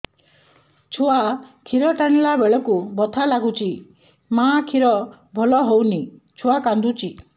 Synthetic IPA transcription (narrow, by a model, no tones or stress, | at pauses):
t͡ʃʰuakʰiɾɔʈañlabeɭɔkubɔt̪ʰalaɡut͡ʃʰi | mãkʰiɾɔbʱɔlɔɦowni | t͡ʃʰuakand̪ut͡ʃʰi